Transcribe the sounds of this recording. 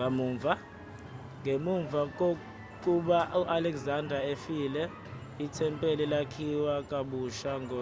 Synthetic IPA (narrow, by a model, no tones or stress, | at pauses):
amuːɱvʱa | ŋɡʱemuɱvʱak̬ʼo | k̬ʼuɓauʔalɛkzandʱaefiːlɛ | itʰɛmpʼelilakʰiwakʼaɓuʃaŋʱɔ